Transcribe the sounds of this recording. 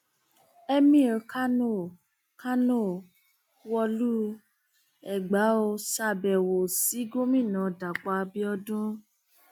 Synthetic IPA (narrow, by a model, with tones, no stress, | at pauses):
ɛ˦mĩ˦˨ɾka˦no˦˨ | ka˦no˦˨ | wɔ˧lu˦ | ɛ˨ɡ͡ba˨˦o˧sa˧˨bɛ˨wo˨si˨˦ɡo˦mĩ˦˨nã˨˦da˨k͡pa˧bi˦ɔ˧dũ˦